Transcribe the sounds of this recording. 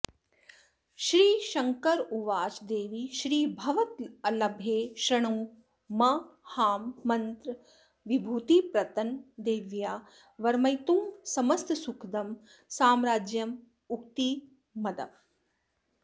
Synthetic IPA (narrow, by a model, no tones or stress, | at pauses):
ʃɾiːʃɐŋkɐɾuʋaːt͡ʃd̪eːʋiʃɾiːbʱɐʋɐt̪ɐlɐbʱjeːʃɾɐɳuː | mɐhaːmːɐnt̪ɾ | ʋibʱuːt̪ipɾɐt̪ɐnd̪eːʋjaː | ʋɐɾmɐjt̪umsɐmɐst̪sukʰd̪ɐm | saːmɾaːd͡ʒjɐm | uk̚t̪i | mɐd̪ɐ̰m